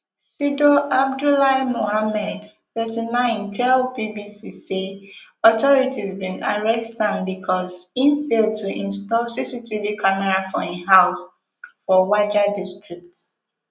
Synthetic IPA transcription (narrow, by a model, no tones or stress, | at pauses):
sidoʔab̚dulaɪmohamɛd | θɜtinãɪ̃ntʰɛlbibisiseɔtɔɹitizbĩna̰ɹɛstãnbikʰɔzĩnfeltʰuʔĩnstɔsisitʰivikʰamɛɹafɔiɦaʊs | fɔwad͡ʒadistɹik̚t